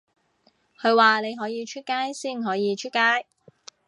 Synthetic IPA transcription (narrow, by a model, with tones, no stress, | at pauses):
kʰɵ˨˧ɥwaː˨ne˨˧jɦɔː˨˥jiː˨˧t͡ʃʰy˥t̚kaː˥jsiː˥˩nɦɔː˨˥jiː˨˧t͡ʃʰy˥t̚kaː˥j